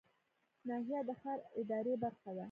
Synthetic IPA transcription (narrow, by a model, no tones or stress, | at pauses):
nɑɦijad̪əxɑɾɪd̪ɑɾebaɾxad̪a